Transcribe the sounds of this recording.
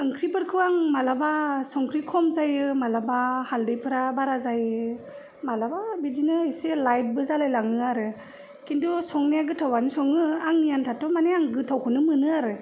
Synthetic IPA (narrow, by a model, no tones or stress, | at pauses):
ɯŋkʰɾipɯɾkʰɯwaŋmalabasɔŋkʰɾikʰɔmzajɯmalabahaldɯjpʰɯɾabaɾazajɯ | malababizinɯjselajt̚bɯzalajlaŋɯaɾɯ | kindɔsɔŋnejaɡɯtʰawanɯsɔŋɯaŋnijantʰatɔmaneaŋɡɯtʰawkʰɔnɯmɯnɯaɾɯ